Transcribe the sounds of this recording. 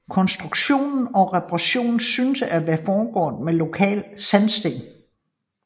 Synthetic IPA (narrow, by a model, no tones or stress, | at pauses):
kʰɒ̽nsd̥ʁuɡ̥ɕo̝̰ːnn̩ɒ̽ʁɛpʰʁaɕo̝̰ːnn̩synsæɐʋæfɒːɡ̥ɒ̰ːðmelo̝kʰɛ̰ːlsænsd̥e̝̰ː